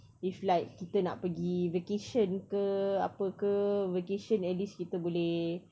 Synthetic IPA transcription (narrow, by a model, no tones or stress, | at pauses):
iflajkkːit̪əna̰ʔpəɡivekeʃənkəapəkəvekeʃənɛtliskit̪əbolɛh